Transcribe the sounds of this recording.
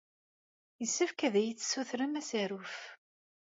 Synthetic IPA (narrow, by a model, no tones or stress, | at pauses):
jəsːəfkæðæjət͡sːsuθɾəmæsæɾʊf